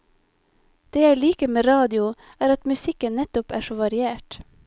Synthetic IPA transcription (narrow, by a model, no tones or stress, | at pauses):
d̪̥eːjæɪliːkəmeːɾɑːd̪ɪʊ | æːɾɑt̪mʉsɪkənnɛt̪ʊpæ̰ːʃoːʋɑɾɪeːʈ